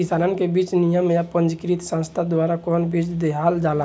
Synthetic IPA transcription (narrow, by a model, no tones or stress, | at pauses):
ɪsaːnən̆kebiːt͡ʃnijəmjapə̃nd͡ʒkɾit̪sãnst̪ʰad̪waːɾakɔːnbiːt͡ʃd̪eɦald͡ʒaːla